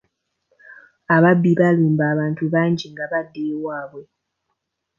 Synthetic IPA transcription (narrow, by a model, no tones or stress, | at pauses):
aβabːiβaluːmbaːβaːntuβaːɲɟiŋɡaβadːewaːβwe̞